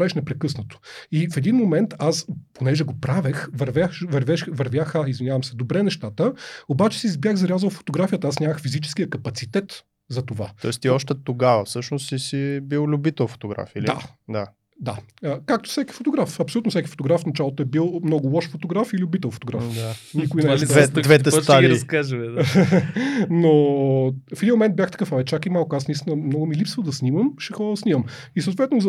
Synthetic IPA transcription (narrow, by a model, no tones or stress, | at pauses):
ɾaviʃnɛpɾɛkɤsnət̪o̥ifɛd̪inmomɛnt̪asponɛʒɛɡopɾavɛxvɐɾvʲjaxvɐɾvɛʃvɐɾvʲjaxaizvinʲjavɐmsɛd̪obɾɛnɛʃt̪at̪əobat͡ʃɛ̥sizbjaxzɐɾʲazəlˠfo̥t̪oɡɾafijət̪ɐasnʲaməxfizit͡ʃɛ̥sk̟ijəkɐpɐt̪sit̪ɛt̪ | zɐt̪ova̰ɔ̰ɛst̪iɔʃt̪ɛt̪oɡavəfsɤʃnost̪isibilˠlʲubit̪ɛlˠfo̥t̪oɡɾa̰fidlid̪a̰d̪a | d̪a̰əkak̚t̪o̥fsʲɛki̥fot̪oɡɾafɐpsolut̪ofsʲɛki̥fo̥t̪oɡɾafnɐt͡ʃalˠot̪oɛbilˠmnɔɡʊlˠɔʃfot̪oɡɾafililʊbit̪ɛlˠfo̥t̪oɡɾafd̪anikʊinɛɛd̪vɛt̪ɛst̪aliiɾɐskaʒəmɛd̪ | no | fɛd̪imomɛnt̪̚bʲjaxt̪ɐ̥kɤfavɛt̪̚t͡ʃakimalˠkoasnɐist̪inəmnɔɡʊmilipsvəd̪ɐsniməmʃɛxɔɾsniməm | isəoʊt̪vɛt̪noz